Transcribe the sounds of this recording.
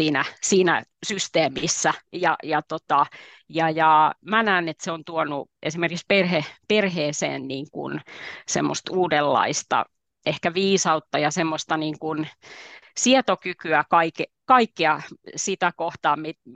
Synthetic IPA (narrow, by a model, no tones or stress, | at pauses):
siːnæsiːnæ̰syst̪eːmisːæjɑ̰jɑt̪ot̪ɑ | jɑjɑmænæːnet̪seont̪uonuʔesimerkiksperheperheːsḛːnniːŋkṵnsḛmːo̰st̪uːdelːɑ̰ist̪ɑ̰ | ehkæʋiːsɑut̪ːɑjɑsemːost̪ɑniːŋkun | siet̪okykyækɑike | kɑikːiɑsit̪ækoht̪ɑːmmit